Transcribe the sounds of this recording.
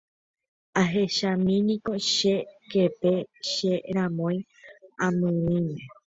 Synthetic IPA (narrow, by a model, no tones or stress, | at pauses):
aɦe̞ʃamĩnĩko̞ʃekepe̞ʃeɾãmõj̃ | ãmɨ̃ĩmẽ